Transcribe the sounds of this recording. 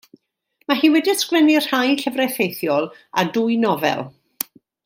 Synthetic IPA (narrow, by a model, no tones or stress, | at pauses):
maɦiːwɛdiskwɛnir̥hajɬəvrɛθejθjɔlˠadʊjnɔvɛ̰lˠ